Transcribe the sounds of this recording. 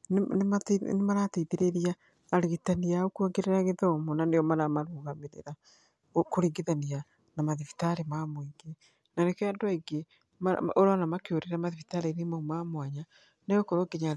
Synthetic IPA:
nnemanemaɾateiðeɾeɾiaː | ɾeɣitaniaokuaɡeɾeɾaɣeðɔmɔnaneɔmaɾamaɾuːɣameɾḛɾa | okoɾiɡeðania | namaðifi̥taɾemamoiŋɡe | nanekɛɔndwaiɡe | ma̰oɾɔnamakeoɾeɾamaðifitaɾenemaumamwaɲa | neɔkɔɾwaɡeɲa

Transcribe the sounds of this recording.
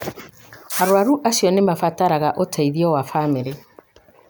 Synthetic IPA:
aɾwaɾuʔasjɔnemafataɾaɣaʔotʰaiðiɔwafameɾe

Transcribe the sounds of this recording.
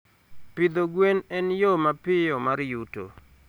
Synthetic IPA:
pɪd̪oɡwenɛnjomapɪjɔmaɾjuto̰

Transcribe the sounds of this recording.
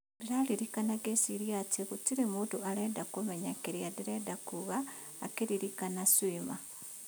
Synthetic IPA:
diɾaliɾikanaɡesiɾiatiɣutiɾemuːtualedakumeɲakeɾiadiɾedakuɣaː | keɾiɾikanaswiːma̰

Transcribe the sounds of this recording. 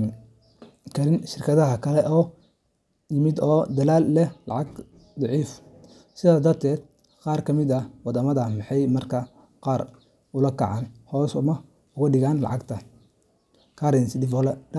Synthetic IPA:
n | kʰɐɾɪnʃɪrkʰɐðɐɦɐkʰɐlɛʔɔː | jɪmɪd̪ɔːd̪ɐlaːlːɛlɑ̰ʕɑɡ | d̪ˤɑʕiːf | sɪðaːd̪ɐrt̪ʰɛːd̪̥̚ | qɑːrkʰɐmɪd̪ɐwɑd̪ɐmɐðɐmɑħɑjmɐrkʰɐ | qɑːr | ʊlɐkʰɐ̰ʕɑːnhɔːsʊmɐ | ʊɣɐɖɪɣaːnlɑ̰ʕɑɡt̪ʰɐ | kʰaːɾɪnsɪd̪ɪfɔlɛ

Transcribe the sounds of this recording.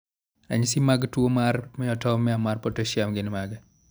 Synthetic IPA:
a̰ɲsimaɡtwomarmɛɔtɔmɛamarpotoʃjamɡɪnmaɡɛ

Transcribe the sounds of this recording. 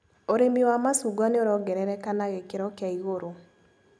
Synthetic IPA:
oɾemiwamasuɡwaneoɾɔɡɛɾɛɾɛkanaɣekeɾɔkeaiɣoɾo

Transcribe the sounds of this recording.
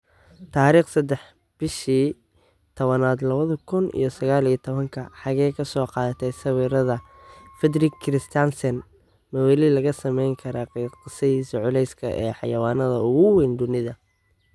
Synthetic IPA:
t̪ʰaːɾiːχsɐd̪ɛħ | b̥ɪʃiː | t̪ʰɔβɐnaːd̪lɐβɐðɐkʰʊnʔḭjɞsɐɣaːlijɐt̪ʰɔβɐŋkʰɐħɑɣɛjkʰɐsɔːqɑːðɐt̪ʰɛsɐwiːɾɐðɐ | fɛd̪ɾɪkʰːɾɪst̪ʰansɛn | mɐwɛlilɐɣɐsɐmɛjŋkʰɐɾaːqːqɪsɐðiːsɪʕʊlɛjskʰɐ̰ʔɛːħɑ̰jɐwɑːnɐðɐʊɣʊwind̪ʊnɪðɐ

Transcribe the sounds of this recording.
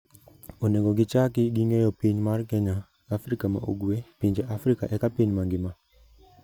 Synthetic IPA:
oneɡɔɡɪt͡ʃakɪɡiŋɛjɔpiɲmarkɛɲaː | frikama̰ʔo̰ɡwepiɲd͡ʒeʔafɾika̰ʔɛkapiɲmaŋɡɪma

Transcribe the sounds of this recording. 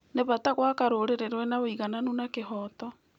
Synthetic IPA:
neβataɣwakaɾoɾeɾeɾwɛnaβoiɣananunakeɦɔtɔ

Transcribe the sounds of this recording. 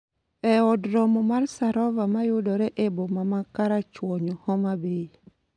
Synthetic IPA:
ɛɔdɾɔmɔmarsaɾɔvamajʊdɔɾɛʔebomamakaɾat͡ʃwɔɲɔhɔmabei

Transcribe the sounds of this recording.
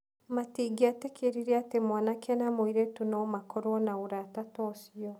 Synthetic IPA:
matiːɡiatekʰeɾiɾeatemwanakɛnamoiɾetunɔmakɔɾwɔnaoɾatatɔsiɔ

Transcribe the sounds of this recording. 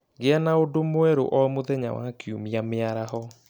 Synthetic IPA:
ɡeanaodomoɛɾo̰ʔɔmoðɛɲa̰wa̰kjumiameaɾahɔ

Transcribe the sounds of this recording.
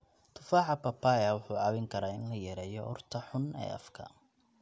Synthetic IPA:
t̪ʰʊfaːʕɑpʰɐpʰːaːjɐwʊħuːɑːβɪŋkʰɐɾaːɪnlɐjɛɾɛːjɔʔɔ̰rt̪ʰɐħʊnɛ̰ːʔɐ̰fkʰɐ̰

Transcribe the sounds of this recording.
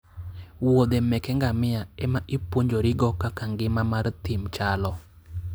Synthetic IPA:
wod̪emɛkɛŋɡamɪaɛmaʔipwoɲd͡ʒoɾɪɡɔkakaŋɡɪmamart̪ɪmt͡ʃalɔ

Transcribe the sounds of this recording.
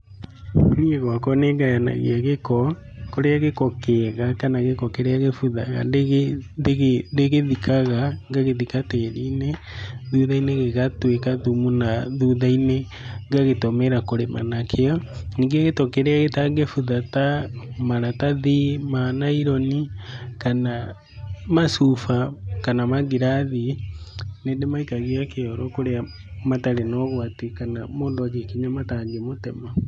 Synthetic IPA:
nieɣwakɔneɡajana̰ɣḛaɣekɔ | koɾeaɣekɔkɛɣakanaɣekɔkeɾeaɣefuða̰ɣa̰ndeɣedeɣendeɣeðikʰaɣaŋɡaɣeðikatɛɾineðuðaineɣeɣatwekaðumunaðuðaine | ŋɡaɣetomeɾakoɾema̰nakʰeɔniːŋɡeɣetɔkeɾɛaɣetaŋɡefuðatamaɾataðimanaiɾɔnikana | masufakanamaɡiɾaði | neːndemaikaɣeakeɔɾɔkoɾea | mataɾenɔɣwatekanamoːndɔd͡ʒekiɲamataŋɡemotɛma

